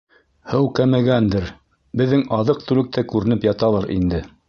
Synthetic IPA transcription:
hɤwkæmæɡænd̪ɘɾ | bɘ̆ðːɘŋɑðɤq̚t̪ʉlɘ̆k̚t̪ʰækʉɾɘ̆nɘpjɑt̪ɑlˠɤɾʔḭnd̪ɘ

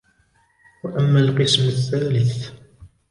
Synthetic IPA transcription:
waʔamːalqɨsmaθːaːlɪθ

